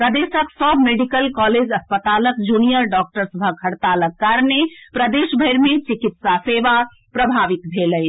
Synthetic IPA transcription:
pɾəd̪esəksəbʱmeɖikəlkɔled͡ʒəspət̪aləkd͡ʒunijəɾɖɔk̚ʈəɾsəbʱəɡʰʱəɽt̪aləkːaɾnepɾəd̪eʃbʱəjɾmet͡ʃikit̪saseʋa | pɾəbʱaʋit̪bʱeləj

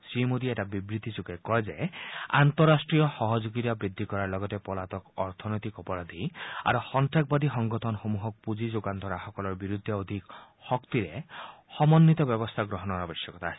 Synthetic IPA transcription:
simud̪ieʈabibɾit̪isukekɔed͡ʒea̰nt̪ɔɾasʈɾijɔxɔɦɔd͡ʒuɡit̪abɾid̪ʱːikɔɾaɾlɔɡɔt̪epɔlat̪ɔkɔɾt̪ʰɔnɔjt̪ikɔpɔɾad̪ʱia̰ɾuxɔnt̪ɾak̚bad̪ixɔŋɡɔt̪ʰɔnxomuɦɔk̚pud͡ʒid͡ʒoɡant̪ɔɾaxɔkɔlɔɾbiɾud̪ʱːɔod̪ʱik | hɔkt̪iɾehɔmɔnːit̪ɔbjɔbɔst̪ʰaɡɾɔɦɔnɔɾɔbisjɔkɔt̪ʰaːsi

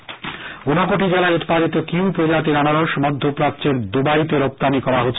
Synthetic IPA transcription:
onakoʈid͡ʑelaeut̪i̥paɾit̪okiwpɾod͡ʑat̪iɾanaɾoɾʃmɔd̪ʱːopɾatːt͡ɕeɾd̪ubait̪eɾop̚t̪anikɔɾaɦotːʰ

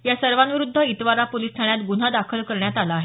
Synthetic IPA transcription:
jasəɾʋanʋiɾud̪ʱːəit̪ʋaɾapolist̪ʰaɳjat̪ɡun̤ad̪akʰəlkəɾɳjat̪alaːɦe

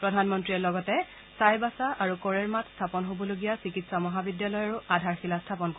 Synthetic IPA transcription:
pɹɔdʱanmɔntɹiɛlɔɡɔtɛ | sajbasaʔaɹukɔɹɛɹmatʰstʰapɔnɦobɔloɡijasikitsamɔɦabidjalɔjaɹuʔadʱaɹxilastʰapɔnko

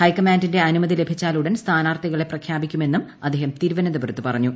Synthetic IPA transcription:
hɐjkɐmaːndinde̞ɐnumɐðile̞bʱit͡ɕːaːluɽenst̪ʰaːnaːrt̪iɣɐɭe̞prɐkʰjaːbikʲːume̞nːumɐd̪ʱeːɦɐmt̪iːɾuʋɐnɐd̪ɐbɐrɐt̪ːupɐrɐɲːu

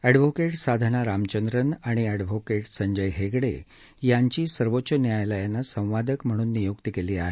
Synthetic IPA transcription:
ɛɖʋokeʈsad̪ʱəɳ̃aɾamt͡ɕənd̪ɾənaɽ̃iɛɖʋokeʈsəɲd͡ʑəjɦekɽḛ | jaɲt͡ɕiːsəɾʋotːɕənjajləjanːasə̃w̃ʋad̪ʱəkm̤əɽ̃uːnːijokt̪ikeliːa̰ɦe

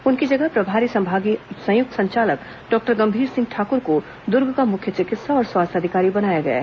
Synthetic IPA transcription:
ʊnkid͡ʒɐɡəɦpɾɐbʱaːɾisɐ̃mbʱaːɡisɐ̃jʊk̚t̪ʰsɐ̃ɲt͡ʃaːlək | ɖɔːk̚ʈəɾɡɐ̃mbʱiːɾsɪ̃ŋɡ̚ʈʰaːkʊɾko | d̪ʊɾɡʱkamʊkʰjət͡ʃɪkɪt̪saɔːɾswaːst̪ʰɐd̪ʱɪkaːɾibɐnaːjaɡɐḛː

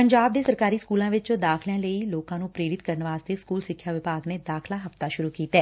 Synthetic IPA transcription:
pəɲd͡ʒaːb̚d̪eːsəɾkaːɾiːskuːlãːʋɪt͡ʃd̪aːkʰljãːləiːloːkãːnũːpɾeːɾɪt̪kəɾənʋaːst̪eːskuːlsɪkʰːjaːʋɪpaːɡneːd̪aːkʰlaːɦəft̪aːʃʊɾuːkiːt̪ɛː

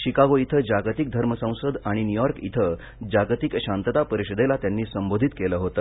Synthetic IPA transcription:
ɕikaɡoit̪ʰəd͡ʑaɡt̪ik̚d̪ʱəɾməsə̃w̃səd̪aɽ̃injujɔɾkḭt̪ʰə | d͡ʑaɡt̪ikɕant̪ət̪apəɾiɕəd̪elat̪janːiːsəmbod̪ʱit̪keləːɦot̪ə

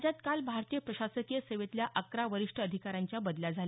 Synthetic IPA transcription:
d͡ʑat̪kalbʱaɾt̪ijəpɾəɕasəkijəseʋet̪ljaʔəkɾaʋəɾiʂʈʰəːd̪ʱikaɾaɲt͡ɕjabəd̪ljad͡zʱal

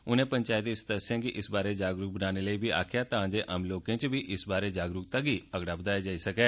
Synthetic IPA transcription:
ʊnẽːpəɲt͡ʃaːjət̪ɪst̪əsãːkɪʔɪsbaːɾeːd͡ʒaːɡɾʊːk̚bənaːneːləiːbʱiːʔa̰ːkʰɪjaːt̪ãːd͡ʒeːʔamloːkẽːt͡ʃbʱiːʔɪsbaːɾeːd͡ʒaːɡɾʊːk̚t̪aɡiːəɡɽaːbəd̪aːjaːd͡ʒaːiːsəkɛː

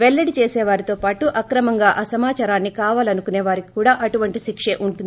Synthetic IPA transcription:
ʋɛɭːɐɽit͡ʃeːsɛːʋaːɾit̪o̞ːpaːʈuʔɐkɾɐmɐŋɡaːʔɐsɐmaːt͡ʃaːɾaːnːikaːʋaːlɐnukuneːʋaːɾiki̥kuːɽaːʔɐʈuʋɐɳʈiʃikʂeːʔuɳʈund̪i

